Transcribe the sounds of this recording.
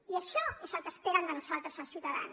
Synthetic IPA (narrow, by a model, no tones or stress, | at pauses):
iəʃɔezəlˠkəspeɾənd̪ənuzalˠt̪ɾəzəlsjiuwt̪əða̰n